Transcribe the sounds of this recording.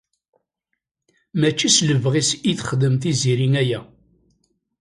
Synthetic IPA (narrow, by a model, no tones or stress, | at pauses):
mæt͡ʃːisləvʁisiθχəd̪əmθiziɾiŋæjæ